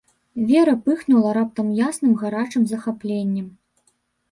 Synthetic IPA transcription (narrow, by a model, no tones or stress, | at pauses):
vʲɛɾɐpɨxnulˠɐɾap̚t̪ɐmjasn̪ɨmɣaɾat͡ʂɨmzɐxaplʲenʲːɛm